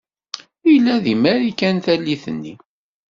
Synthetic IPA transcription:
ilːæðimæɾikænθælːiθənːḭ

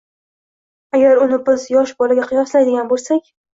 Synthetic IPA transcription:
aɡʲaɾʊnɪbɪzjɒʃbɒlaɡʲaqʰɨjɒslajd̪ɪɡʲanbolˠsakʲ

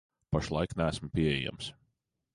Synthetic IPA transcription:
paʃlˠajknæːsm̩piɛɛ̰ja̰ms

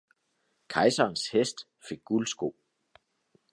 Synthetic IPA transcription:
kʰɑ̈ɪsɐːnshesd̥ | fe̝ɡ̥̚ːulsɡ̥o̝̰

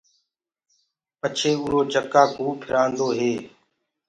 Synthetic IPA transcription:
pət͡ʃʰeːʊːɾoːd͡ʒʱəkaːɡuːpʰɪɾʔãːnd̪oːɦeː

